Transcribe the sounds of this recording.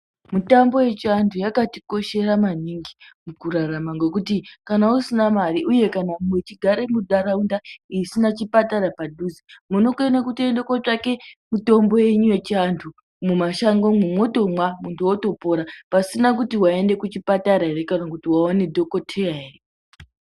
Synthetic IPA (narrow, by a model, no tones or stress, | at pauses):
mutambo̞je̞t͡ʃiantʰujakatiko̞ʃe̞ɾamaniŋɡimukuɾaramaŋɡe̞kutikanausinamaɾiʔuje̞kanamwet͡ʃiɡʱaɾe̞muɗaɾaundaisinat͡ʃipataɾapaduzimuno̞kue̞nakutiendekwot͡ʂake̞muto̞mbo̞je̞ɲuje̞t͡ʃiantʰu | mumaʃaŋɡomumwo̞to̞mwamuntuwoto̞po̞ɾapasinakutiwae̞nde̞kut͡ʃipataɾaeɾe̞kanakutiwaone̞dʱo̞ko̞tʰejaɦere